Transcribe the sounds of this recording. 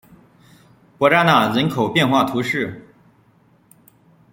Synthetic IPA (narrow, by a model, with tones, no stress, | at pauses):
pwɔ˧˥ʈ͡ʂa˥na˨˩ɻə˧˥nkʰo˨˩ʊpjɛ˥˧nxwa˥˩t̪ʰu˧˥ʂɻ̩˥˩